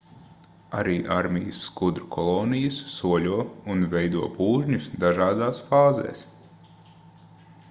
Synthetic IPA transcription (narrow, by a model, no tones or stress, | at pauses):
a̰ɾiːʔaɾmijɨsːkud̪ɾkʰɔlˠɔːnijɨsːuɔlʲuɔunvɛjd̪uɔpuːʒɲusd̪aʒaːd̪aːsfaːzḛːs